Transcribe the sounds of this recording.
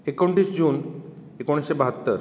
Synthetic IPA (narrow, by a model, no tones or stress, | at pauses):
ekoɳʈisd͡ʑuːn | ekoɽ̃isebaɦat̪ːəɾ